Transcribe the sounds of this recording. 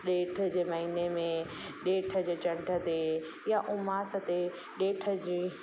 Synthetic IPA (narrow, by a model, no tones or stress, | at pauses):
ɗeːʈʰəd͡ʑeːmɐɦiːnemẽ | ɗeːʈʰə̆d͡ʑeːt͡ɕɐ̃ɳɖʱət̪e | jaʔʊmaːsət̪e | ɗeːʈʰə̆d͡ʑiː